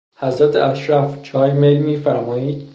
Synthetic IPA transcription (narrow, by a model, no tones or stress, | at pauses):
hæzɾæt̪ʰḛʔæʃɾæft͡ʃʰɒːjmelmiːfæɾmɒːiːd̪̥